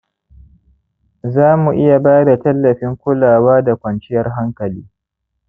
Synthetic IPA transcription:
zaː˦mu˨ʔɪ˦ja˨baː˦da˨tɐ˦lːɐ˨ɸɪ˦ŋkʷʊ˦laː˨waː˦da˨kʷɐ˨nt͡ʃɪ˦jɐ˦rɦa˦ŋkɐ˨liː˦

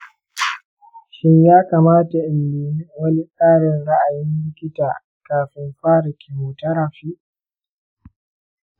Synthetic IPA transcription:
ʃɪ˦ɲjaː˦kaː˨maː˦ta˨ʔɪ˨mːiː˨nɪ˦wɐ˦ni˦sʼaː˦ɽɪ˨nɽa˦ʔa˨jɪ˦mlɪ˦kʲɪ˦taː˨ | kaː˨ɸɪ˦mɸaː˦ɾɪ˨kʰʲi˨moː˨tɐ˦ɾa˨ɸiː˦ʔ

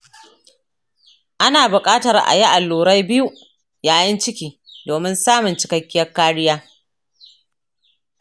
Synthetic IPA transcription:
ʔa˦naː˨bʊ˨kʼaː˦tɐ˨rʔa̰˨ji˦ʔa˨lːuː˨ɾa˦jbɪ˦ju˦ | jaː˨jɐ˦nt͡ʃɪ˦kʲiː˨ | doː˨mɪ˦nsaː˦mʊ˨nt͡ʃɪ̥˨kɐ˨˦kʲːɪ˦jɐ˦rkːaː˦ɽɪ˦jaː˦

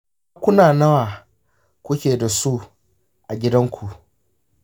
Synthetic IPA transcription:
a˦kʷʊ˦naː˨nɐ˦waː˨ | kʷʊ˦kʲeː˨da˨su˦ | ʔa˨ɡʲɪ˦dɐ˦ŋkʷʰu˨ʔ

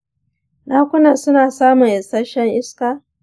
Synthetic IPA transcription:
naː˦kʷʊ˦na˨sʊ˦naː˨saː˦mʊ˨ŋʔɛ˨sɐ˦ʃɛ˦ŋʔɪ˦skaː˨

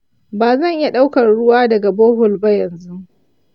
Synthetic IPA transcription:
baː˨zɐ˦˨ŋʔɪ˦ja˦ɗa˦wkɐ˨rɽʊ˦waː˦dɐ˨ɡa˨boː˦hʊ˨lba˦jɐ˨nzu˦

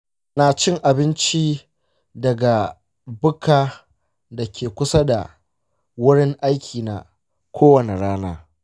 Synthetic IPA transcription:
naː˨t͡ʃɪ˦ŋʔa˨bɪ˦nt͡ʃi˦ | dɐ˨ɡa˨ | bʊ˦kaː˨ | da˨kʲeː˨kʷʊ˦sa˦da̰˨ | wʊ˦ɽɪ˦ŋʔa˦jkʲʰiː˨na̰˨ | kʷʰoː˦wɐ˨ne˨ɽaː˦naː˦

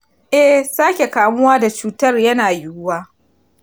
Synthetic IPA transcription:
ʔɛ˦saː˦kʲe˨kaː˨mʊ˦waː˦da˨t͡ʃuː˨˦tɐ˦rjɐ˦naː˨jʊ˦waː˦

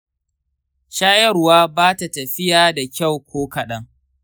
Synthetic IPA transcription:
ʃaː˦jɐ˦rwaː˦baː˦ta˨tɐ˨ɸɪ˦jaː˨˦da˨kʲa˦˨wkʷʰoː˦kɐ˨ɗɐ˦ŋ

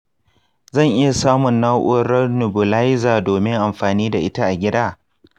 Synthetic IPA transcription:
zɐ˦˨ŋʔɪ˦ja˨saː˦mʊ˨nːaː˦ʔʊː˦ɾɐ˦nʊ˨bʊ˨la˦jzaː˨doː˨mɪ˦ŋʔa˨mɸaː˨niː˦da˨ʔɪ˦ta˦ʔa˨ɡʲɪ˦daː˦

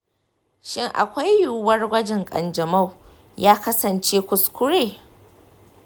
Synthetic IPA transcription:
ʃɪ˦ŋʔa̰˨kʷa˦jːuː˨wɐ˦rɡʷɐ˦d͡ʒɛ˨ŋkʼɐ̰˨nd͡ʒɐ˨ma˦˨w | jaː˦kɐ˦sɐ˨nt͡ʃeː˦kʷʊ˨skʷʊ˦ɾeː˨

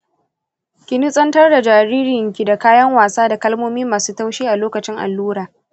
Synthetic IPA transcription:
kʲɪ˦ni˦sʼɐ˦ntɐ˦rda˨d͡ʒaː˨ɾiː˦ɾɪɪ˨ŋkʲi˨da˨kaː˦jɐ˦ŋwaː˨saː˦da˨kɐ˦lmoː˦miː˦maː˨suː˦ta˦wʃiː˦ʔa˨loː˦kɐ˨t͡ʃɪ˦ŋʔa̰˨lːuː˦ɾaː˨

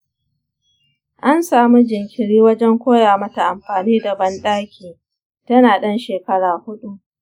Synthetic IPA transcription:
ʔa˦nsaː˨mu˦d͡ʒɪ˨ŋkʲɪ˨ɽiː˦wɐ˦d͡ʒɛ˦ŋkʷoː˦jaː˨mɐ˦ta˨ʔa˨mɸaː˨niː˦dɐ˨bɐ˦nɗaː˦kʲʰiː˨ | tɐ˦naː˨ɗɐ˦nʃeː˨kɐ˦ɽaː˨hʊ˦ɗu˦ʔ

